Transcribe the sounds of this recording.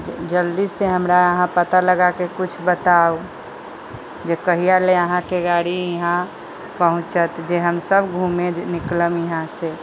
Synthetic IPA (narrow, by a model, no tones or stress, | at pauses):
d͡ʒəld̪isseɦəmɾaəɦãpət̪aləɡakekut͡ʃʰbət̪ao | d͡ʒekəɦijaleəɦãkeɡaɽiəɦã | pəɦʊ̃t͡ʃət̪d͡ʒeɦəmsəbɡʱumenɪkləmjəɦãse